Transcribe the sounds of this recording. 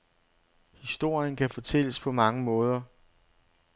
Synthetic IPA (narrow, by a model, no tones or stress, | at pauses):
hisd̥o̝ɐ̰jənkʰæfɒt͡sʰel̰əspʰɒ̽mɑ̈ŋəmɔ̽ːð̞ˠɐ